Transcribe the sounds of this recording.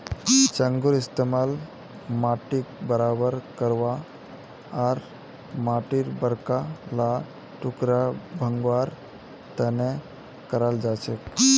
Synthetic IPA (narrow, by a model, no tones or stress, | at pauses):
t͡ʃəŋɡuɾɪst̪emaːl | maʈik̚bəɾabəɾkəɾʋaː | ɾ | maʈiɾbəɾkala | ʈʊkɾabʱəŋɡʋaɾ | t̪ɛne | kəɾald͡ʒat͡ʃek